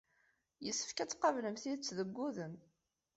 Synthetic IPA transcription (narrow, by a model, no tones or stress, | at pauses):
jəsːə̥fkæt͡sːqɑvləmθiðət͡sːðəɡʷːuðən